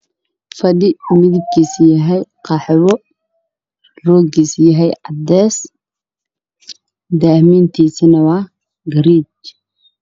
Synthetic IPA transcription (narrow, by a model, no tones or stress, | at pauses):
fɐd̪ɪmɪðɪb̚kʰiːsjɐɦɛjqɑħɛwɔ | rɔːɡiːsjɐɦɛjʕɑd̪ɛːs | d̪aːhmiːnt̪ʰiːsinɐwɑː | ɡɐɾiːt͡ʃ